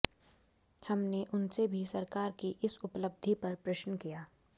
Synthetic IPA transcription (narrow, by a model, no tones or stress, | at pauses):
hɐmneʔʊnsebʱisɐɾkaːɾkiʔɪsʊpləb̚d̪ʱipɐɾpɾɐʃnəkijaː